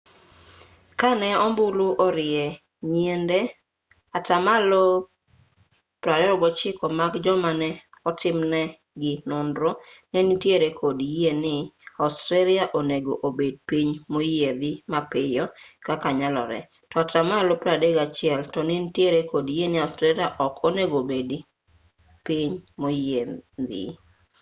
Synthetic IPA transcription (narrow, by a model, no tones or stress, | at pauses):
kanɛɔmbuluʔɔɾɪɛ | ɲiende | atamalo | pɾadɛɾɔɡɔt͡ʃɪkɔmaɡd͡ʒɔmanɛ | ɔtɪmnɛ | ɡɪnʊndɾonenitjeɾekʰodjenɪaʊstɾeliaʔoneɡoʔobed̚piɲmojeðɪmapɪjɔkakaɲalɔ̰ɾɛ̰ | tɔtamalopɾadeɡat͡ʃɪɛltɔnɪntjeɾekodijenɪaʊstɾeliaʔɔkoneɡobed | piɲmojed̪ɪ̰